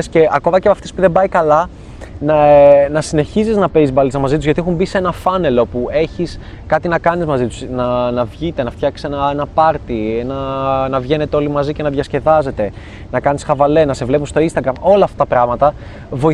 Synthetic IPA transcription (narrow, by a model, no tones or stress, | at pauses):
sce̞ɐko̞mɐcepɐft̪espuðe̞mbɐikɐlɐ | nɐnɐsine̞çiziznɐpeizbɐlit͡sɐmɐzit̪uzʝɐt̪iexumbise̞nɐfɐne̞lo̞pue̞çis | kɐt̪inɐkɐnizmɐzit̪u̥snɐnɐvʝit̪e̞nɐft̪çɐksi̥senɐenɐpɐɾt̪ienɐnɐvʝe̞ne̞t̪e̞o̞limɐzice̞nɐðʝɐsce̞ðɐze̞t̪e̞ | nɐkɐnisxɐvɐle̞nɐse̞vle̞pust̪o̞inst̪ɐɡɾɐmo̞lɐːft̪ɐt̪ɐpɾɐɣmɐt̪ɐ | vo̞i